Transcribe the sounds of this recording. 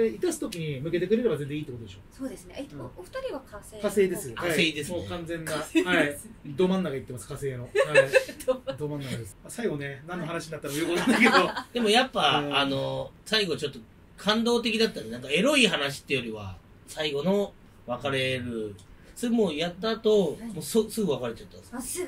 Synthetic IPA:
eit̪asɨ̥t̪o̞kʲiɲ̟imɯ̟ke̞t̪e̞kɯ̟ɾe̞ɾe̞baze̞nd͡zẽit̪ːekot̪oeɕosoːd̪esɨneofɯ̟̥t̪aɾʲiβakasekase̞ːd̪esɨokase̞ːd̪e̞sɨokãnd͡zẽ̞nːaeaid̪o̞ːmãnːaɡait̪ːemasɨ̥kase̞ːnoḁ | d̪oːmãnːaad̪esasaiɡo̞nenãnːo̞ɦanaɕiɲnat̪ːanoojokonesked̪od̪e̞mo̞japːaːno̞saiɡo̞t͡ɕo̞t̪ːo̞ | kʰãnd̪o̞ːt̪e̞kʲid̪at̪ːãnd̪enãŋkae̞ɾo̞iɦanaɕ̬i̥t̪ːejo̞ɾʲiβa̰ | saiɡo̞no̞ | βakaɾe̞ɾɯ̟somoːjat̪ːaːt̪o̞moːsosɨɡɯ̟βakaɾe̞t͡ɕat̪ːãns

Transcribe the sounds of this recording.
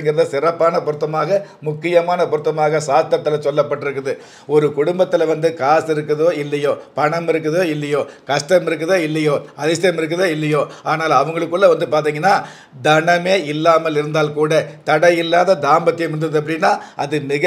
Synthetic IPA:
ŋɡɐɪɾɐðɯsɪɾɐpːaːnɐpʊɾɯt̪ːɐmaːɣɐmʊkːɪjɐmaːnɐpʊɾɯt̪ːɐmaːɣɐsaːt̪ːɐt̪ːɐlɐsɔlːɐpːɐʈːɪɾɯkːɯðɯ | ɔɾɯkʊɽʊmbɐt̪ːɪlɐʋɐnd̪ɯkaːsɪɾɯkːɯðoːɪlːɐjoːpɐɳɐmɪɾɯkːɯðoːɪlːɐjoːkɐʂʈɐmɪɾɯk̬ːɯðoːɪlːɐjoːɐðɪsɐjɐmɪɾɯk̬ːɯðoːɪlːɐjoːʔaːnaːlɐʋɐŋɡɐɭɯkːɯɭːɐʋɐnd̪ɯpaːɾt̪̬iːŋɡɐnːaː | d̪ɐɳɐmeːɪlːaːmɐlɪɾɯnd̪aːlkuːɽɐt̪ɐɽɐjɪlːaːðɐd̪aːmbɐt̪ːɪjɐmɐnd̪ɐðɯɐp̬ːɐɽɪnːaːʔɐðɯmɪɣɐ

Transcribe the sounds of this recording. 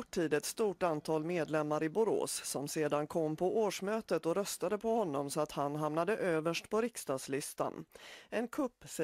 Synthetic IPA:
ɔʈʰːiːd̪ɛt̪st̪uːʈant̪ʰɑːlmeːd̪lɛmːaɾɪbʊɾo̰ːsːɔmseːd̪ankʰɔmːpʰɔʔoːʂmøːt̪ət̪ɔɾœst̪ad̪əpʰɔhɔnːɔmsɔat̪hanɦamnad̪əʔøːvəʂʈpʰɔɾɪkst̪ɑːd̪slɪst̪a̰nɛnkʰɵpːsɛ

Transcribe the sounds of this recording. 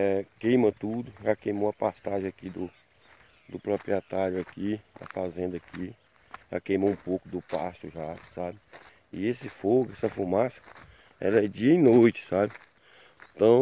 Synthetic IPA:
ɛkẽjmɐt̪ud̪ʊʒakejmowɐpast̪aʒẽakid̪ʊ | d̪ʊpɾopɾiɛt̪aɾjʊakid̪ɐ̰fazẽnd̪ɐaki | ʒa̰kejmoũpowkʊd̪ʊpasʊʒasabɪ | iesɪfoɡʊɛsɐfumasɐ̥ | ɛ̰lɐɛd͡ʒiɐĩnojt͡ʃɪ̥sabɪ | t̪ɐ̃w̃

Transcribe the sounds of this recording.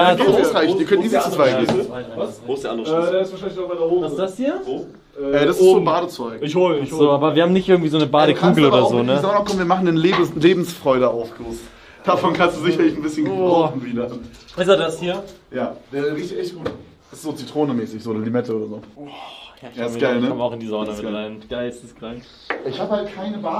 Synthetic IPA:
jaaɪçd̥iːɐkʰœntdiːzət͡sut͡sv̥aɪevaavaosd̥ɛɐʔandɛːdeːɪsvaːʃaɪnɪçdabaɪdɐhoːasudashiːɐo | ʔɛːɾasɪszzoːnbaːɾət͡sɔʏkɪçhoçzoːaːbɐviːɐhaːbmnɪçtʔɪɐɡŋ̩tviːzoːnəbaːdəkʰuːɡl̩ʔoːdɐzoːnəamɐmakʰɔmviːɐmaχn̩denleːbleːbm̩sfʁ̥ɔʏɾəaʊfɡoːs | d̥afɔnkʰanstd̥uːzɪçɐlɪçn̩bɪsçənɡəvɔn̩viːdɐ | aɪsadashiːɐ | jaːd̥eːɐʁiːçtɛçt̚ɡ̥uːt | ɛszoːt͡sitʁ̥oːnəmɛːsɪçzoːoːdɐlimɛtʰəʔoːɾɐzoː | jaːjaɪsɡaɪlnəɔmaʊxɪndiːzɐɔdmɪʁaɪnɡ̥aɪlsɪskʁ̥aŋk | ʔɪçhaːbəhalt̚kʰaɪnəbaː

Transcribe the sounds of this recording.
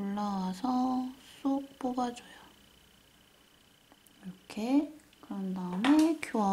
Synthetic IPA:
ɭːaasʰʌs͈ok̚p͈oɡad͡ʑoja | iɾʌkʰe | kɯɾʌndamekjoa

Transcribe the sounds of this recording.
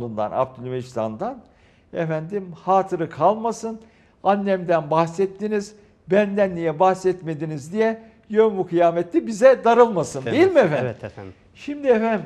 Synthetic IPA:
und̪a̰na̰p̚t̪ʰulʲymest̪ʰa̰nd̪an | ɛfænd̪imhaːt̪ʰɯɾɯkʰalˠmasɯn | anːɛmd̪ænbahsɛt̪ːiniz | bænd̪ænːijɛbahsɛt̪med̪inizd̪ijɛ | jøbukʰɯjaːmɛt̪ʰːibizɛd̪aɾɯlˠmasɯnd̪ejilʲmiɛfæn | ʃimd̪iɛfæn

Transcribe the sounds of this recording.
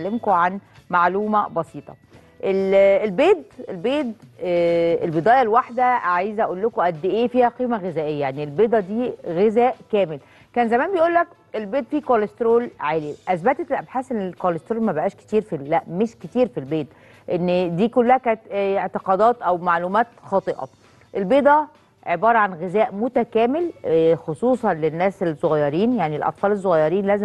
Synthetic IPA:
lːemkoʕanmaʕluːmæbɑsiːt̪ˤɑ̰ | ʔelelbeːd̪elbeːd̪ | elbed̪æːjælwaħd̪æʕajzæʔæʔuːlːokoʔæd̪ːʔeːfiːhæqiːmæɣezæːʔejːæjaʕnielbed̪ˤɑd̪iːɣezæːʔkæːmel | kæːnzæmæːnbejʔuːlːæk | ʔelbeːd̪fiːkolest̪ɾoːlʕeːliʔæsbæt̪et̪elʔæbħaːsʔenːelkolest̪ɾoːlmæbeʔæːʃke̥t̪iːɾfilæʔmeʃket̪iːɾfilbeːt̪ | ʔenːd̪iːkolːæhækæːnt̪eʕt̪eqɑːd̪ɑːt̪ʔæwmaʕlumæːt̪xɑːt̪ˤeʔɑ̰ | ʔelbeːd̪ˤɑ | ʕebɑːɾˤɑʕanɣezæːʔmot̪ækæːmelxosˤuːsˤɑnlenːæːselsˤːoɣæjːɑɾiːnjaʕnilʔɑ̰t̪ˤfɑːles̬ːoɣæjːɑɾiːnlæːze

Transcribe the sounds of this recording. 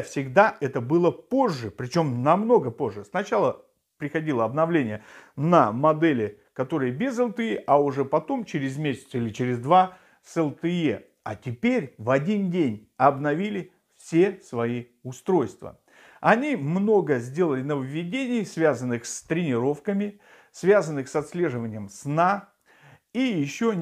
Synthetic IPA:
fsʲɪɡd̪aʔɛt̪əbɨlˠəpo̞ʐːɨpɾʲɪt͡ɕo̞mnɐmno̞ɡəpo̞ʐːɨsnɐt͡ɕalˠə | pɾʲɪxɐdʲilˠəɐbnɐvlʲenʲɪjənəmɐd̪ɛlʲɪ | kɐt̪o̞ɾɨjəbʲezɛlˠt̪ɨeʔɐʊʐɛpɐt̪o̞mt͡ɕɪɾʲɪzmʲesʲɪ̥t̪səilʲɪt͡ɕɪɾʲɪzd̪va | sɛlˠt̪ɨe | ɐtʲɪpʲeɾʲvɐdʲindʲenʲ | ɐbnɐvʲilʲɪ | fsʲe̞svɐi | ʊst̪ɾo̞jst̪və̰ | ɐnʲimno̞ɡəzʲdʲe̞lˠəlʲɪnəvəvʲːɪdʲenʲɪjsvʲazənːɨxst̪ɾʲɪnʲɪɾo̞fkəmʲɪ | svʲazənːɨxsɐt̪slʲe̞ʐɨvənʲɪjəmsna | ijɪɕːo

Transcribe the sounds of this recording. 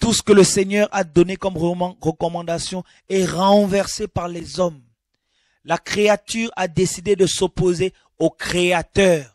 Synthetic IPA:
t̪usə̥kələsɛɲœʁad̪ɔnekɔmʁəkɔmɑ̃d̪asjɔ̃ | ɛʁɑ̃vɛʁsepaʁlɛzɔm | lakχeat̪yʁad̪esid̪ed̪əsopoze | okχeat̪œːʁ

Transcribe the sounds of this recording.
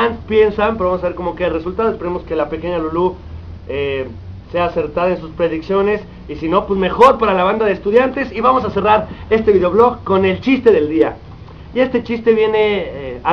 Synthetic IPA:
ant̪pje̞nsampeamosaβeko̞mo̞keare̞sult̪aðoespeɾemo̞ske̞lape̞ke̞ɲalulu | e | se̞aːse̞ɾt̪aðaensuspɾe̞ðiksjo̞ne̞s | isino̞pwesme̞xo̞ɾpaɾalaβand̪aðest̪uðjant̪e̞siβamo̞sase̞raɾe̞st̪e̞βiðeo̞βlo̞ɣko̞ne̞lt͡ʃist̪e̞ðe̞ld̪ia | ie̞st̪e̞t͡ʃist̪e̞βje̞ne̞a

